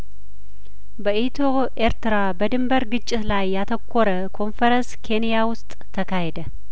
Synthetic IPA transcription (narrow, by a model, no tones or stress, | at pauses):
bəʔit̪ʰo | ʔe̞ɾt̪ʰɨɾabəd̪ɨmbɐɾɡɨt͡ʃʼːɪt̪lajːat̪ʰɐkʰʷːoɾɐkʰo̞nfɐɾɐnskʰe̞nijawʊst̪ʼːʰɐkʰaɦɛd̪ɐ